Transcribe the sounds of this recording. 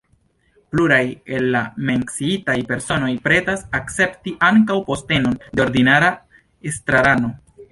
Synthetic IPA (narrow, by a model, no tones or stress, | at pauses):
pluɾaje̞lːame̞ŋksiitajpe̞ɾso̞no̞jpɾe̞tasakt͡se̞ptiʔaŋkawpo̞ste̞no̞ndeo̞ɾdinaɾa | estɾaɾano̞